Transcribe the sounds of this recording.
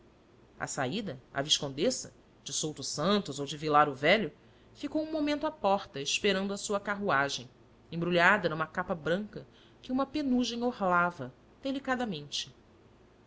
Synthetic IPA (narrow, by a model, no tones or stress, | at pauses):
ɐ̰sa̰id̪ɐa̰viʃkõnd̪esɐ̰ | d͡ʒɪsowt̪usɐ̃nt̪ʊzowd͡ʒɪvilaɾʊvɛʎʊ | fikowũmomẽnt̪ʊapɔχt̪ɐɪʃpeɾɐ̃nd̪ʊɐsuɐkaɦuaʒẽj̃ | ẽbɾuʎad̪ɐnũmɐkapɐbɾɐ̃ŋkɐ | kɪũmɐpenuʒẽj̃ohlavɐ | d̪̥elikad̪ɐmẽnt͡ʃɪ̥